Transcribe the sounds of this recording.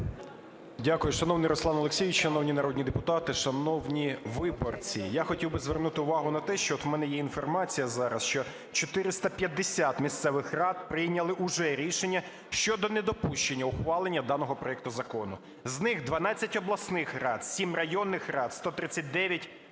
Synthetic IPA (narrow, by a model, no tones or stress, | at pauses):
dʲakʊjʊʃɐnɔwnɪjɾɔslˠɑnɔlˠeksʲijɪt͡ʃʃɐnɔwnʲinɐɾɔd̪ʲnʲid̪epʊt̪ɑt̪ɪʃɐnɔwnʲiʋɪbɔrt͡sʲijaxɔtʲiwbɪzʋernut̪ɪʊʋɑɦʊnɐt̪ɛʃt͡ʃɔɔt̪wmɛnɛjɛinfɔrmɑt͡sʲijɐzɑɾɐsʃt͡ʃɔ | t͡ʃɔt̪ɪɾɪst̪ɐpʲjɐd̪ːesʲat̪mʲist̪sɛʋɪxrɑt̪̚pɾɪjnʲɐlˠɪʔʊʒɛɾʲiʃenʲːɐ | ʃt͡ʃɔd̪ɔned̪ɔpuʃt͡ʃe̞nʲːɐʊxʋɑlˠenʲːɐd̪ɑnɔɦɔpɾɔjɛk̚t̪ʊzɐkɔnʊ | znɪxd̪ʋɐnɑt͡sʲːɐtʲɔblˠɐsnɪxrɑd̪sʲimrɐjɔnːɪxrɑt̪st̪ɔt̪ɾɪt͡sʲːɐt̚ʲd̪ɛʋʲjɐtʲ